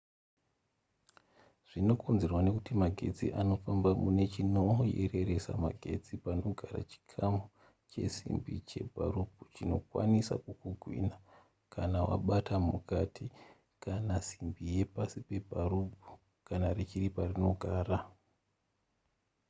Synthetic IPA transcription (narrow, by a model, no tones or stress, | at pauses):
ʐ̥ino̞ko̞nze̞rwane̞kutimaɡʱe̞̰d͡zḭʔano̞fambamune̞t͡ʃinoje̞̰re̞re̞sa̰ma̰ɡʱe̞d͡zipano̞ɡʱaɾa̰t͡ʃi̥kʰamu | t͡ʃe̞̰sḭmbit͡ʃe̞̰bʱa̰rubʱut͡ʃino̞kwa̰nisa̰kukuɡʱwḭna | kʰanawa̰ɓatamukatʰi | kanasimbije̞pasipe̞bʱaɾubʱu | kanaret͡ʃiriparino̞ɡʱaːra